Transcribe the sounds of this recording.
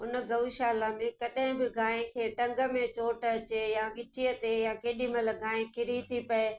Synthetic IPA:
ɦʊnəɡɐʋiʃaːlamẽkɐɗɦɪ̃bɪɡʱaːẽkʰeːʈɐ̃ŋɡə̆mẽt͡ɕoːʈɐt͡ɕejãɡɪt͡ʃijət̪ejãːkeːɗimɐləɡaːẽkʰɪɾit̪ʰipɐe

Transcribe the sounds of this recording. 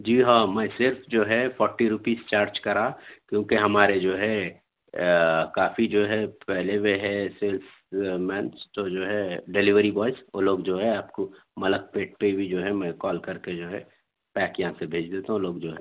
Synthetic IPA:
d͡ʒiːɦamɛ̃sɪɾfʰd͡ʒoːɦɛpʰɔːɾʈiɾupiːst͡ʃaːɾd͡ʒkɐɾakjõːkeɦɐmaːɾed͡ʒoːɦɛ | kaːfid͡ʒoːɦɛpɛɦlemeɦɛseːls | mɛ̃ːnt͡ʃt̪od͡ʒoːɦɛɖeliʋəɾibɔːɪso̰loːɡd͡ʒoːɦɛaːpko | mɐlək̚peːʈ̚pebʱid͡ʒoːɦɛmɛ̃kɔːlkɐɾked͡ʒoːɦɛ | pɛːkjɐɦãsebʱeːd͡ʒd̪eːt̪aɦũloːɡd͡ʒoːɦɛ

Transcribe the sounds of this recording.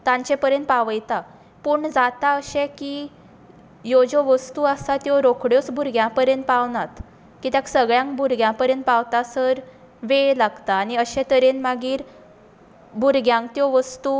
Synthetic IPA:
t̪ãɲt͡ɕɛ̃pəɾjənt̪̚paʋəjt̪a | puːɳd͡zat̪aəɕɛ̃ki | jɔd͡ʑɔʋəst̪uasat̪jɔɾokʰɽjɔt͡sbʱuɾɡjãpəɾjənt̪̚paʋnat̪ | kiːt̪jãksəɡɭjãŋkbuɾɡjãpəɾjənt̪̚paʋt̪asəɾ | ʋeɭlaɡt̪aːniəɕɛ̃t̪əɾenmaɡiːɾ | bʱuɾɡjãŋkt̪jɔʋəst̪u

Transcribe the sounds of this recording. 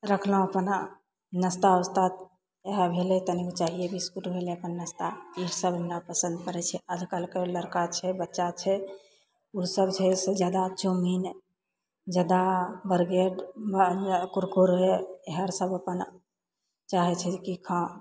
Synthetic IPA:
ɾəkʰləũəpən | nəst̪aəst̪at̪ | eɦəbʱelɛt̪ənikt͡ʃaɦijebʱiskuʈbʱeleəpənːəst̪aiɾsəbənɾapəsə̃nd̪kəɾɛt͡ʃʰɛʔəd̪ʱkəlkeləɾkat͡ʃʰɛbətːʃat͡ʃʰɛ | usəbt͡ʃʰɛsəd͡ʒad̪at͡ʃomin | d͡ʒad̪abəɾɡeɖbkuɾkuɾɦeeɦəɾsəbəpən | t͡ʃaɦɛt͡ʃʰɛkikʰã

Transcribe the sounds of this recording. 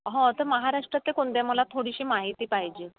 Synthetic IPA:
ɦɔ̃t̪əməɦaɾaʂʈɾat̪ːekoɳd̪em̤əlat̪ʰoɽiɕiːmaɦit̪iːpaɦid͡ʑe

